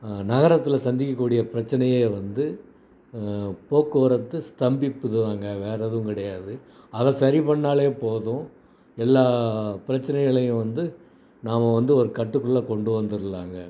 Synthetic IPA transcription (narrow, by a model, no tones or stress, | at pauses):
nɐɣɐɾɐt̪ːɪlɐsɐnd̪ɪkːɐkːuːɽɪjɐpɪɾɐt͡ʃːɐnɐjeːʋɐnd̪ɯ | poːkːɯɾɐt̪ːɯst̪ɐmbɪpːɯðɯʋaːŋɡɐʋeːɾɐðʊ̃kɪɽɐjaːðɯ | ɐðɐ̃sɐɾipɐɳːaːɭeːpoːðʊ̃ː | ɛlːaːpɪɾɐt͡ʃːɐnɛɣɐɭɐjʊ̃ʋɐnd̪ɯ | naːmɐʋɐnd̪ɯɔɾɯkɐʈːɯkːɯɭːɐkɔɳɖɯʋɐnd̪ɯɾɯlaːŋɡɐ